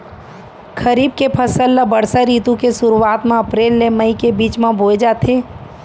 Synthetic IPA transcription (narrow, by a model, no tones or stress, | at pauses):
kʰəɾiːb̚kepʰəsəlːabəɽsaɾiːt̪ũkesʊɾuaːt̪mẽɐpɾeːlːeməikebiːt͡ʃmãbʱoːed͡ʒaːt̪ʰeː